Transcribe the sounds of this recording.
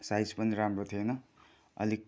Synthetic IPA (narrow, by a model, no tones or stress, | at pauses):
sajspʌniɾamrot̪ʰienʌ | ʌ̰li